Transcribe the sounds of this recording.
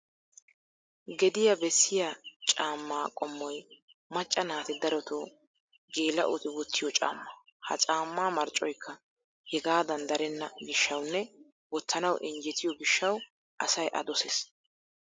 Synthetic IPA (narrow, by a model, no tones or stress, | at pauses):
ɡɛd̪ɪjɐbɛsːɪjat͡ʃʼaːmːaːkʼɔmːɔj | mɐt͡ʃʼːɐnaːt̪ɪd̪ɐɾɔt̪oː | ɡe̞ːlɐ̰ʔʊ̰t̪ɪwɔt̪ːɪjɔt͡ʃʼa̰ːmːɐ | hɐ̰t͡sʼaːmːaːmɐɾt͡ʃʼɔjkʰːɐ | hɛɡaːd̪ɐnd̪ɐɾɛnːɐɡɪʃːɐwnːɛ | wɔt̪ːɐnɐwʔɛnd͡ʒɛt̪ʰɪjɔɡɪʃːɐw | ʔɐsɐjʔɐ̰d̪ɔsɛs